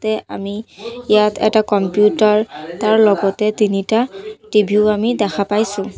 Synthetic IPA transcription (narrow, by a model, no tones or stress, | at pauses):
tɛa̰miijatʰɛ̰takɔmpjutaɹtaɹlɔɡɔtɛtinitatibʱuʊamidɛxʰapajsʊ̃